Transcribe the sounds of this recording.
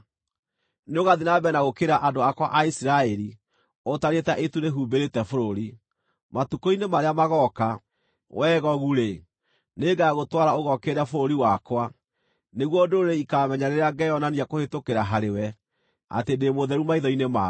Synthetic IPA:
neoɣaðinabɛnaɣokeɾaʔandoakwaʔaisiɾaɛɾi | otaɾetaʔetuɾeɦuːbeɾetɛfoɾoɾi | matukoinemaɾeamaɣɔka | wʔɛːɣɔɣuɾe | neɡaɣotwaɾaoɣɔkeɾafoɾoɾiwakwa | neɣwɔdoɾeikamɛɲaɾeɾeaɡɛjɔnaniakohetokeɾaɦaɾewɛ | a̰tendemoðɛɾumaiðɔinema

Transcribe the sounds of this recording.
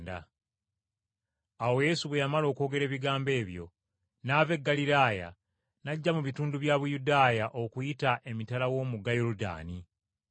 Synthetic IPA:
da̰ | awo̞je̞ːsuβwe̞jamalo̞ːko̞ːɡe̞ɾe̞ːβiɡaːmbe̞ːβjo̞̰ | naːve̞ɡːaliɾaːja̰ | naɟːamuβituːnduβjaːβujudaːjaʔo̞kujitaʔe̞mitalawo̞ːmuɡajoɾuda̰ːni

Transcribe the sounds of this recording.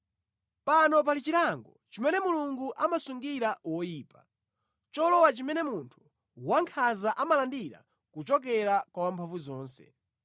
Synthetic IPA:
panɔp̬alit͡ʃiɾaŋɡɔt͡ʃimɛnɛmuluŋɡuʔamasuŋɡiɾawɔjiːpa | t͡ʃɔlɔwat͡ʃimɛnɛmuntʰu̥ | waŋkʰazaʔamalandiɾa̰ | kut͡ʃɔk̬ɛɾakwawampʰaɱvuzɔːnsɛ̥̰

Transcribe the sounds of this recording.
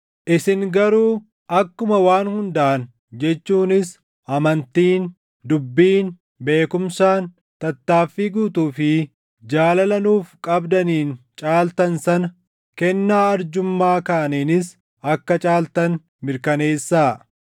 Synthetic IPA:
ʔɪsɪŋɡɐɾuː | ʔɐkːʊmɐwaːnhʊnd̪ɐʔːn | d͡ʒɛt͡ʃːuːnɪs | ʔɐmɐnt̪iːn | d̪ʊbːiːn | be̞ːkʊmsaːn | t̪ɐt̪ːaːfːiːɡuːt̪uːfɪ | d͡ʒaːlɐlɐnuːfkʼɐbd̪ɐniːnt͡ʃʼaːlt̪ɐnsɐnɐ | kɛnːaːɐɾd͡ʒʊmːaːkaːniːnɪs | ɐkːɐt͡ʃʼaːlt̪ɐn | mɪɾkɐne̞ːsːaː

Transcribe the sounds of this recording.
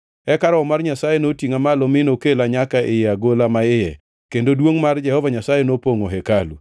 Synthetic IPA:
ɛkaɾɔɔmarɲasajenotiŋamalɔmɪnokelaɲakaʔɪjɛaɡolamaɪjɛ | kendodwoŋmard͡ʒɛhɔvaɲasajenopoŋoɦɛkalṵ

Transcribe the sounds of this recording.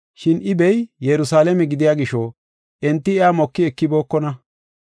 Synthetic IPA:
ʃɪnʔɪbɛjjɛɾʊsaːlɛmɛɡɪd̪ɪjaːɡɪʃɔ | ʔɛnt̪ːɪɪaːmɔkːɪɛkːɪboːkːɔnɐ

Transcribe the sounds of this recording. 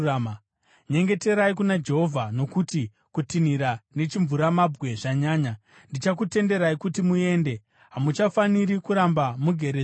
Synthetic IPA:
am | ɲe̞ŋɡe̞te̞ɾaikunad͡ʒe̞ɦo̞vʱano̞kuti | kutiniɾane̞t͡ʃiɱvuɾamabwe̞ʐaɲaːɲa | ndit͡ʃak̬ute̞nde̞ɾaikutimue̞ːnde̞ | ɦamut͡ʃafaniɾikuɾambamuɡʱe̞ɾe

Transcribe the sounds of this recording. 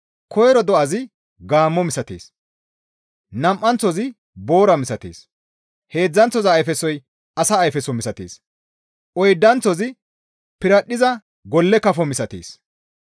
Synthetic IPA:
kʰɔjɾɔd̪ɔʔɐzɪ | ɡaːmːɔmɪsɐt̪ḛːs | nɐmʔːɐnt͡sːɔzɪ | bo̞ːɾɐmɪsɐt̪eːs | he̞ːd͡zːɐnt͡sːɔzɐːjfɛsɔj | ɐsɐːjfɛsɔmɪsɐt̪ḛːs | ʔɔjd̪ːɐnt͡sɔzɪ | pɪɾɐɗɪzɐ | ɡɔlːɛkɐfɔmɪsɐt̪ḛːs

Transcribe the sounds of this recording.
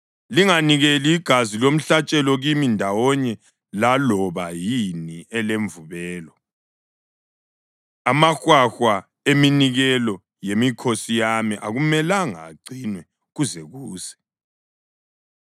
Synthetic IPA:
liŋaniɣeliːɡ̥ʱazilom̩ɬat͡ʃʼɛlɔɣimindʱawɔɲɛ | lalɔβajiniɛleɱvuβɛːlɔ | amaxwaxwa | eminiɣɛlɔ | jemikʰosijamiʔa̰ɣumɛlaŋa̰ǀinwɛ | ɣuzɛɣuːzɛ̥

